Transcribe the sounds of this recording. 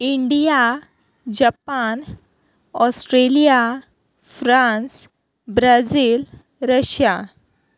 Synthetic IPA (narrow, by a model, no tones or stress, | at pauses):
iɳɖija | d͡ʑapan | ɔsʈɾelija | fɾãns | bɾad͡ziːl | ɾəɕja